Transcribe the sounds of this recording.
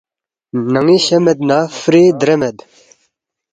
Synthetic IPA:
naŋiɕɛmɛd̪̚naːfɾiːd̪ɾɛmɛd̪

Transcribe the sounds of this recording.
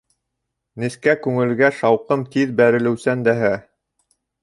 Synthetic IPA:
nɘ̆skækʉŋɘ̆lɡæʃɑwqɤmt̪iðbæɾɘ̆lɘ̆wsænd̪æɦæ

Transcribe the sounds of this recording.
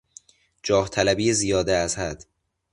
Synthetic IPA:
d͡ʒɒːht̪ʰælæbiːezijɒːd̪eæzhæd̪̥

